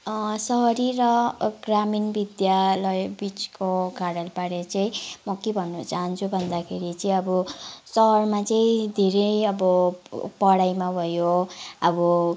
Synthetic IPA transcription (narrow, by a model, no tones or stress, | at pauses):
sʌɦʌɾirʌɡraminbid̪jalʌjbit͡skoɡaɽalpaɽet͡sʌĩmʌkebʱʌnːut͡saɦʌnt͡sʰubʱʌnd̪akʰeɾit͡sʌĩʌbʌsʌɦʌrmat͡sʌĩd̪ʱeɾejʌbʌpʌɽajmabʱʌjoʌbʌ